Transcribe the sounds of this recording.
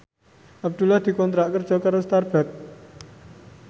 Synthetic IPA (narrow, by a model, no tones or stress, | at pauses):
ab̚d̪̥ulahd̪̥i̤kɔnt̪ɾaʔkər̥d͡ʒɔ̤kaɾəst̪arb̥at̪̚